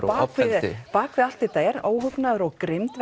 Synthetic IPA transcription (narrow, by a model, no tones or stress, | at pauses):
paːkvɪðpaːkvɪðal̥t̪ɪt̪eːjɾoːwɦʏpnaðʏɾɔɣkɾɪmt̪v